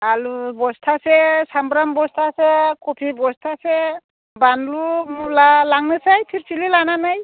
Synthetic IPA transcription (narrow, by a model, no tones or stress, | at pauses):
alubɔstʰasɛsambɾambɔstʰasɛkɔpʰibɔstʰasɛ | banlumulalaŋnɯsajpʰiɾsililananaj